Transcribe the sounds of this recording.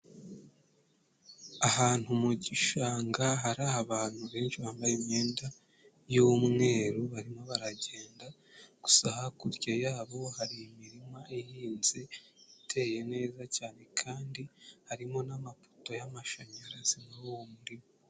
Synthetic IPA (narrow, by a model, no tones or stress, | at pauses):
aɦaːn̥humuɟiʃaːŋɡaɦaɾahaβaːn̥huβe̞ːnʃiβaːmbajimɲe̞ːnda | jumŋe̞ːɾuβaɾimo̞βaɾaɟe̞ːnda | ɡ̥u̥sahakuɾɟejaːβo̞haɾiimiɾimaʔihiːnze̞itʰe̞ːje̞ne̞ːzacaːne̞kʰaːndihaɾimo̞namapo̥to̞jamaʃaɲaɾaz̥imauwomuɾimo